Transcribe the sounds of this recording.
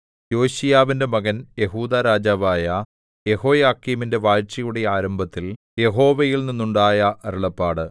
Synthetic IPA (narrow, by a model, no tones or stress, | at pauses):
jo̞ːɕijaːʋinde̞mɐɣɐnje̞ɦuːd̪aɾaːd͡ʑaːʋaːjɐ | je̞ho̞ːjaːkːiːminde̞ʋaːɻt͡ɕɐjuɽejaːɾɐmbʱɐt̪ːil | je̞ɦo̞ːʋɐjilninːuɳɖaːjɐʔɐɾuɭɐpːaːɽɨ